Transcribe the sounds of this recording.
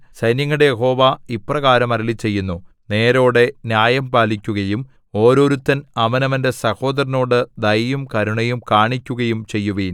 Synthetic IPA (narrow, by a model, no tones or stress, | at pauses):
sɐjnjɐŋːɐɽejeɦo̞ːʋaiprɐɣaːɾɐmɐɾɐlit͡ɕːe̞jːunːu | ne̞ːɾo̞ːɽe̞njaːjɐmpaːlikʲːuɣɐjum | o̞ːɾo̞ːɾut̪ːɐnɐmɐnɐmɐnde̞sɐho̞ːd̪ɐɾɐno̞ːɽɨd̪ɐjjumkɐɾuɳɐjumkaːɳikʲːuɣɐjumt͡ɕe̞jːuʋin